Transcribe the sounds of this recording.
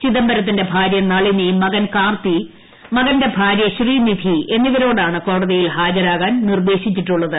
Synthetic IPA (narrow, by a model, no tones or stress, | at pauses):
t͡ɕiðɐmbɐɾɐt̪̬ːinde̞bʱaːɾjɐnɐɭinimɐɣɐnkaːrt̪i | mɐɣɐnde̞bʱaːɾjɐɕriːnid̪ʱie̞nːiʋɐɾo̞ːɽaːɳɨko̞ːɽɐðijilɦaːd͡ʑɐɾaːɣaːnnird̪e̞ːɕit͡ɕːiʈːuɭːɐðɨ